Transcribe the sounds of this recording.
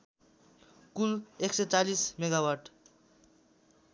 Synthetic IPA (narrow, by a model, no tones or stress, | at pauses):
kuleksʌt͡salismeɡawarʈ